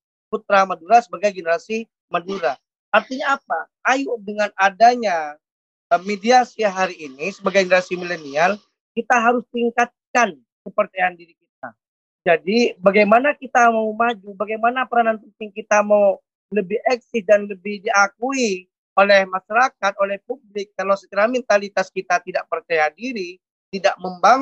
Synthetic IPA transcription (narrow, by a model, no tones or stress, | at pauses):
put̪̚ɾamaduɾasəbaɡajɡənəɾasi | maduɾa | ʔːrt̪iɲaːpa | ajudəŋanadaɲa | əmːediasiaɦaɾiːnisəbaɡajɡənəɾasimilɛnial | kit̪aɦaɾʊst̪iŋkat̪̚kan | kəpərt͡ʃajandiɾikit̪̚a̰ | d͡ʒadibaɡajmanakit̪amawmad͡ʒubaɡajmanapəɾananpənt̪ɪŋkit̪amaw | ləbɪɛk̚sɪsdanləbɪhdiakui | olɛhmaʃaɾakat̪̚olɛhpublɪkːalawsət̪iɾamɛnt̪alit̪askit̪at̪idaʔpərt͡ʃajadiɾi | t̪idaʔməmbaŋ